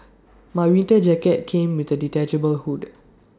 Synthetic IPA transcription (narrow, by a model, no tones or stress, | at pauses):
mawĩntəd͡ʒɛkɛt̚kʰẽmwidəditɛd͡ʒəbəlhud